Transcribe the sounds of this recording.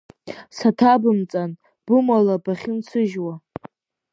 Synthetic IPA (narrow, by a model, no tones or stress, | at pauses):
satʰabɨmt͡sʼan | b̥ɨmalabaχʲɪnt͡sʰɨʒwa